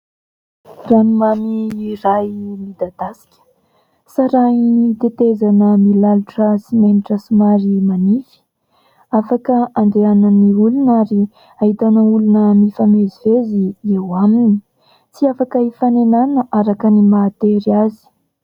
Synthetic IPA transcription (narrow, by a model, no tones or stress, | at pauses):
ranumamiːrajmid̪ad̪asi̥kʲə̥ | saɾainit̪et̪ezanəmilaluʈ͡ʂəsimeniʈ͡ʂəsumaɾimanifi̥ | afakəaɳɖ͡ʐeananiulunaɾi | aɦit̪anəulunəmifameziveziewamini | t͡siafakəifanenanəʔaɾakənimaːt̪eɾiazi̥